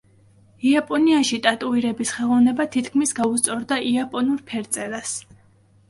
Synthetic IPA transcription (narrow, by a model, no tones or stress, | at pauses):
iapʼɔniaʃit̪ʼat̪ʼuiɾɛbisχɛlˠɔvnɛbat̪ʰit̪ʰkʰmisɡaust̪sʼɔɾd̪aʔiapʼɔnuɾpʰɛɾt̪sʼɛlas